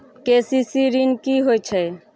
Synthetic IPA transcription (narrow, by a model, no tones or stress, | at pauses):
kesisiɾinkiɦojt͡ʃʰɛ